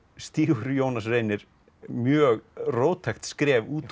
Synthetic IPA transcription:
st̪iːɣʏɾjoːwnasreːjnɪɾ̥ | mjœːɣroːwt̪ʰɛxt̪skɾɛːvuːt̪

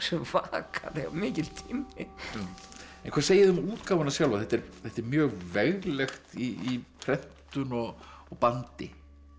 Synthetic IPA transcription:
sɛmvaːkʰa̰ðɪa̰mɪːcɪlt̪ʰiːmɪ | ɛnkʰaɾseːjɪðʏmuːt̪kaːwvʏnasjawlvaθɛt̪ːɛɾθɛht̪ɛɾmjœːɣvɛɣlɛxt̪iipʰɾɛn̥t̪ʏnɔɣ | ɔɣpant̪ɪ̰

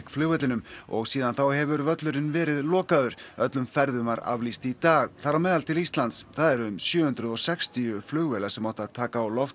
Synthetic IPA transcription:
kflʏːɣɛt̪lɪnʏmɔ̰ɣsiːðanθawhɛvʏɾvœt̪lʏɾɪnvɛːɾɪðlɔːkaðʏɾ̥œt̪lʏmfɛɾðʏmvaɾa̰vlist̪it̪aːɣθaɾːamɛːðalt̪ʰɪlist̪lant̪sθaðɛɾʏmsjʏːhʏnt̪ɾʏðɔɣsɛkst̪iʏflʏːɣvɛlasɛmawht̪aðt̪ʰaːkaːwlɔft̪

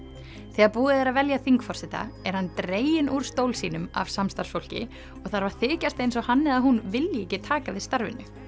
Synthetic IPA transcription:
θɛːɣaɾpuːðɪθɛɾaðvɛljaθiŋkfɔ̥sɪt̪a̰ɛɾhant̪ɾeːjɪnʔuɾ̥st̪owlsiːnʏma̰vsamst̪aɾ̥rsfowl̥cɪ̰ | ɔɣθaɾvaɾ̥θɪːcast̪ejnsɔɣhanːɪaðaɦunvɪljɪɛhcɪt̪ʰaːkavɪðst̪aɾvɪ̰nːʏ̰

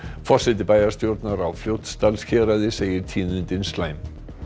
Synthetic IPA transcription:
fɔr̥sɪt̪ɪpajðaɾst̪jowɾt̪naɾawfljowt̪st̪alsçʰɛːɾaðɪseːjɪɾ̥t̪ʰiːnʏnt̪ɪnslajm

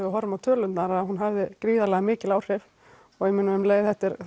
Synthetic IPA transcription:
ðɪɦɔɾmawt̪ʰœːlʏnt̪naɾaaɦunɦavðɪkɾiːðalɛɣamɪːcɪlaːwr̥ɪv | ɔɣemɪnːʏʏmleːjðθɛht̪ɪɾ

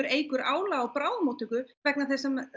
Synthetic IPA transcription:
ɾeːjkʏɾaːwlaawpɾaːwðmowt̪ʏkʏvɛk̚naθɛsɛm

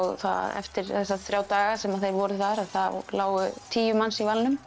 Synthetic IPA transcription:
wθa̰a̰ɛ̰ft̪ɪɾθɛsːaθɾjaːwt̪aːɣasɛmaðθejɾvɔɾʏθaɾaðθalaːwɣʏt̪ʰiːjʏmansivalnʏm

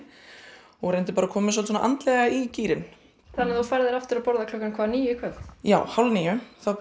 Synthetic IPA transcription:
ɔɣɾɛjnt̪̬ɪpaːɾakʰɔːmɪs̬ɔlsɔnaʔa̰nt̪lɛɣaiciːɾɪn | θanːɪθufaɾðɪɾaft̪ɪɾapɔɾðakʰlɔkankʰvaːniːjɪkʰœvjaːwhawlniːjʏθaw

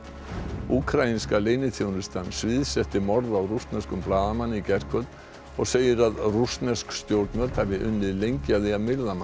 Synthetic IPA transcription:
uːkʰɾainskaleːjnɪθʰjownɪst̪anːsvɪðsɛht̪ɪmɔɾðawrust̪nɛskʏmplaːðamanːicɛr̥kʰvœt̪ | ɔɣseːjɪɾaðrust̪nɛskst̪jowɾt̪nmœɾt̪havɪʔʏnːɪðlejɲcaðɪamɪɾðama

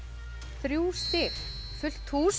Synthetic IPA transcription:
θɾjuːst̪ɪl | fʏl̥t̪ʰuːs

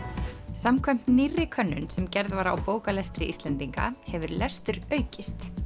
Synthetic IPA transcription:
samkʰœm̥t̪nirːɪkʰœnːʏnsɛmcɛɾðvaɾa̰wpoːwkalɛst̪ɾɪʔist̪lɛnt̪iŋka̰hɛvʏɾlɛst̪ʏɾœːɥcɪst̪

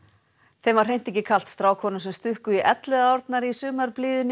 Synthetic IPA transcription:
θejmvaɾ̥rejn̥t̪ɛhcɪkʰal̥t̪st̪ɾaːwkʰɔːnʏmsɛmst̪ʏhkʏiʔɛt̪lɛðaɔɾt̪naɾisʏːmaɾpliːðʏn

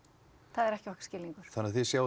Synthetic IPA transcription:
θaðɛɾɛhcɪɔhkscɪːlːiŋkʏɾ̥θanːaθisjaːw

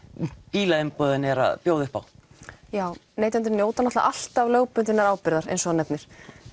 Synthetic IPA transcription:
piːlaɪmpɔːðɪnɛɾa̰ðpjoːwðʏhpa̰wjaːwneːjt̪ant̪ɪɾnjoːwt̪anaht̪la̰ʔal̥t̪avløːwpʏnt̪ɪnːaɾaːwpɪɾðaɾḛjnsɔnɛpnɪɾ̥

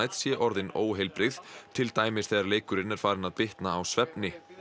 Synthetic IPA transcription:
jt̪sjɛʔɔɾðɪnoːwɦejlpɾɪðt̪ʰɪlt̪aːjmɪsθeːðaɾleːjkʏɾɪnɛɾ̥faːɾɪnaðpɪht̪naːwsvɛpnɪ

